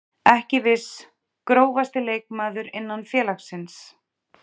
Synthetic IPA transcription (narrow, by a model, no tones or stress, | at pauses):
ɛhcɪvɪs | kɾoːwvast̪ɪleːjk̚maːðʏɾɪnːanfjɛːlaxsɪns